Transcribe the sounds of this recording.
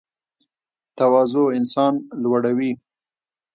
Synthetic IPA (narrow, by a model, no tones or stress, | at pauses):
t̪awɑzoɪnsɑnlwaɽawi